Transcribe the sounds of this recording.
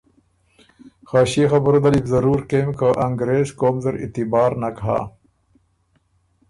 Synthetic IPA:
xaːɕixɐbəɾod̪alibzɐɾuːɾkeːmkəʔɐŋɡɾeːzkoːmzɐɾḭt̪ibɑːɾnakɦa̰ː

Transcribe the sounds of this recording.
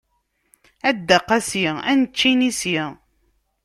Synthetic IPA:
æd̪ːæqːæsjiænət͡ʃːinisji

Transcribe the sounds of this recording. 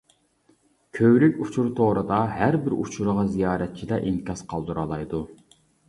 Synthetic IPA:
kʲʰøwlykʲut͡ʃʰuɾt̪ʰoːɾɨd̪ɑɦæɾbɪɾṵt͡ʃʰuɾəʁɑzijɑːɾɛt̪̚t͡ʃʰilɛʔiŋkʲʰɑsqʰɑlˠd̪uɾɑlˠɑjd̪u

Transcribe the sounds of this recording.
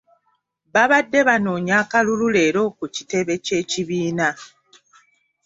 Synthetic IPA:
βaβadːe̞βano̞ːɲaːkalulule̞ːɾo̞ːkuci̥te̞βe̞ce̞ːciβiːna

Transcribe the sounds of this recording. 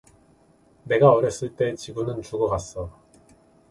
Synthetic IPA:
ne̞ɡaʌɾʌs͈ɯɭt͈e̞t͡ɕiɡunɯnt͡ɕuɡʌkas͈ʌ

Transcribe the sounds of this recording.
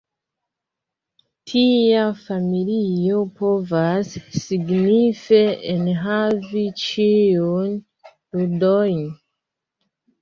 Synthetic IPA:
tʰiafamilio̞po̞vasːiɡnifeenɦavit͡ʃijun | ludojn

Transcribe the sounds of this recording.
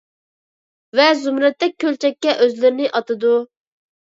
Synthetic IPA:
vɛzumɾɛt̪ːɛk̚ʲkʰʲːølt͡ʃʰɛkʲːɛʔøzlɪɾɪnɪʔɑt̪ɨd̪u

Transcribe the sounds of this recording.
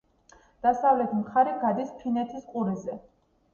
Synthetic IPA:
d̪̥asavlɛt̪ʰmχaɾiɡad̪ispʰinɛt̪ʰisqʼuɾizɛ

